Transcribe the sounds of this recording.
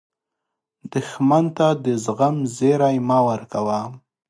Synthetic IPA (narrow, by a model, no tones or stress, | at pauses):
d̪əxmant̪ad̪əzɣamzeɾajmawəɾkawam